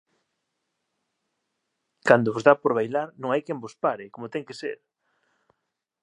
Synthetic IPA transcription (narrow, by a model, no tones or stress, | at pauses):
kand̪oβozðapoɾβ̞ajlaɾnõŋajkembospaɾɪkomot̪ɛŋkesḛɾ